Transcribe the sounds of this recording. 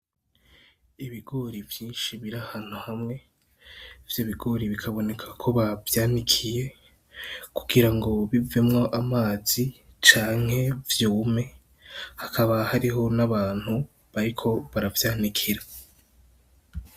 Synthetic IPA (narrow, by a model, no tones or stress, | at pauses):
iβiɡo̞ːɾivjiːnʃiβiɾahan̥huhamŋe̞ | vjoβiɡo̞ːɾiβikʰaβo̞ne̞kʰakʰo̞βavjaːnikʰije̞ | ku̥ɡiɾaŋɡo̞βive̞mŋo̞ʔamaːz̥i | t͡ʃaːŋ̥he̞vjuːme̞ | hakʰaβahaɾiɦo̞naβaːn̥hu | βaɾikʰo̞βaɾavjaːnikʰiɾa